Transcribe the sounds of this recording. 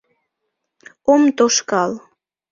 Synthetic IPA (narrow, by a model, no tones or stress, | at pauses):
omt̪oʃkɑl